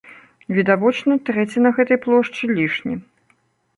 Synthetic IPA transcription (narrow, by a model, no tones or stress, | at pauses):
vʲid̪avɔt͡ʂnɐt̪ɾɛt͡sʲinɐɣɛt̪ɐjplˠɔʂt͡ʂɨlʲiʂnʲi